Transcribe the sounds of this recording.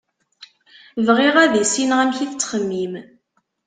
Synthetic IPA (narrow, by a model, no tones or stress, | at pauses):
vʁiʁæðisinʁæmçiθt͡sːχəmːim